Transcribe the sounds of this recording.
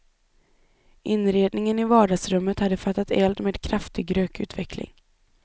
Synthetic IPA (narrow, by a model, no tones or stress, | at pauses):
ʔɪnɾeːd̪nɪŋənɪvɑːɖɑːɡsɾɵmːət̪had̪ːəfat̪ːat̪ɛːld̪meːd̪kʰɾaft̪ɪɡɾøːkʉ̟ːt̪vɛkʰlɪ̰ŋ